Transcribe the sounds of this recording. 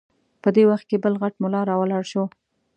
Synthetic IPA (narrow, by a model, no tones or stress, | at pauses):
pəd̪ewaxt̪̚kebəlɣaʈmʊlɑɾɑwəlɑɽʃo